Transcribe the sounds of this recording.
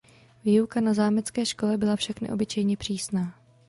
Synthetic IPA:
viːukanazaːmɛt͡skɛːʃko̞lɛbɪlafʃaknɛ̰ʔo̞̰bɪt͡ʃɛjɲɛpr̝̥iːsnaː

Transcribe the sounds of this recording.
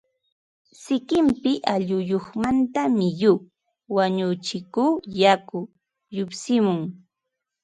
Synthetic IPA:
sɪkɪmpɪʔaʎʊjoχmant̪amɪjuː | waɲʊt͡ʃɪkuːjakʊ | jʊpsɪmʊŋ

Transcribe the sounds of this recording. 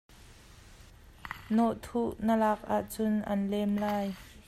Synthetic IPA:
nɔʔt̪ʰuʔnəlak̚ʔaʔt͡sʊnʔɐnlɛmlaːj

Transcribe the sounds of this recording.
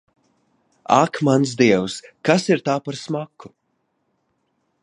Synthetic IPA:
a̰kmansd̪iɛwskasiɾt̪aːpaɾsmakːu

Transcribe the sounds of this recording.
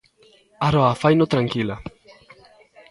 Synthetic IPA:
aɾoafajnot̪ɾaŋkila

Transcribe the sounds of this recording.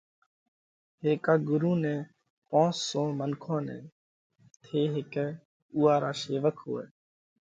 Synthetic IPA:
ɦeːkaːɡʊɾuːnẽː | põːsõːmənkʰõːnḛ̃ː | t̪ʰeːɦɪkɛ | uːaːɾaːseːʋəkʰɦʊ̰ːḛː

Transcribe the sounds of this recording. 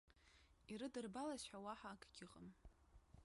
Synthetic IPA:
iɾɨdɨrbalasħawaħaːkʰɡʲɪqʼəm

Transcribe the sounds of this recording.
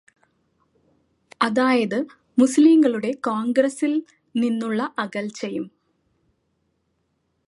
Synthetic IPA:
ɐðaːjɐðɨ | musliːmɡɐɭuɽe̞koːŋɡrɐsil | ninːuɭːɐʔɐɣɐlt͡ɕe̞jum

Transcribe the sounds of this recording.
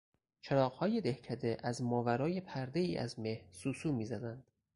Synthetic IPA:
t͡ʃʰeɾɒːɣhɒːje̞d̪ehcʰæd̪eʔæzmɒːvæɾɒːje̞pʰæɾd̪e̞iːʔæ̰zme̞hɾsuːsuːmiːzæd̪ænd̪̥

